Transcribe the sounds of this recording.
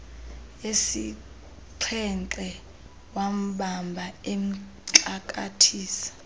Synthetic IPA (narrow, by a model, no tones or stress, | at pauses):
esi | ǀʰɛnt͡ɬʼɛ | wam̩ɓambʱaem̩ | ǃakʼa̰tʰiːsḁ